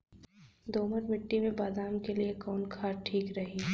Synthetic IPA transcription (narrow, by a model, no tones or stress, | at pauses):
d̪oːməɾmɪʈːimẽbaːd̪aːmkeliekɔːnkʰaːɾʈʰiːkɾɐɦi